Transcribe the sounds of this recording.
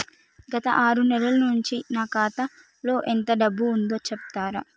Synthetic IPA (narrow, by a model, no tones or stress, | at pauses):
ɡɐt̪ɐ̰ʔaːɾunɛlɐlɐnuɲt͡ʃinaːkaːt̪ɐ | lo̞ːʔent̪ɐɖɐbːuːnd̪oːt͡ʃɛpt̪aːɾɐ